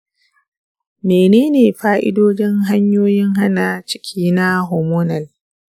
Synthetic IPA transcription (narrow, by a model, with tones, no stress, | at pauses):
meː˨neː˦neː˨ɸaː˦ʔɪ̰˦doː˦d͡ʒɪ˦ŋɦa˦ɲjoː˦jɪ˦ŋɦa˦na˨t͡ʃɪ̥˦kʲʰiː˦na˦ɦo˨moː˦nɐ˨l